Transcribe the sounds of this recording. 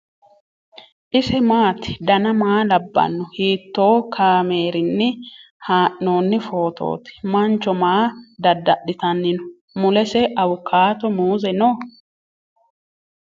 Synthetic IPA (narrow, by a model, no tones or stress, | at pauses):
ʔɪsɛmaːt̪ɪ̥d̪ɐnɐmaːlɐbːɐ̰nːɔhiːt̪ːo̞ːkʰaːme̞ːɾɪnːɪ | haːʔːoːnːɪfo̞ːt̪ʰo̞̰ːt̪ɪ̥mɐnt͡ʃːɔmaːd̪ɐd̪ːɐɗːɪt̪ɐnːɪnɔ̥ | mʊlɛsɛɐwʊkʰːaːt̪ɔmuːzɛnoː